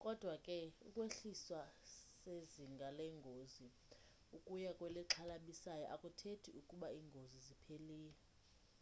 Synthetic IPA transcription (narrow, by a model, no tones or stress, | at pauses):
kʼɔd̥ʱwakʼɛukʼweɬiswaseziŋɡʱalɛŋɡʱozi | ukʼujakʼwɛliǁʰalaɓisajɔʔakʼutʰetʰiukʼuɓaiːŋɡʱozizipʰeliːjɛ